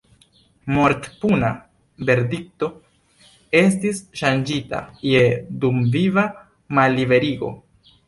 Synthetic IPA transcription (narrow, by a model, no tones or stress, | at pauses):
moɾtpuna | be̞ɾdik̚to̞ | e̞stisʃand͡ʒita̰je̞dumviva | malːive̞ɾiɡo̞̰